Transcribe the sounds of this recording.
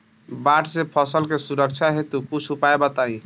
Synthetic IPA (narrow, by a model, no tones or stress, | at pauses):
baʈsepʰɔsəlkesuɾək̚t͡ʃʰaɦet̪ukut͡ʃʰupaebat̪aĩ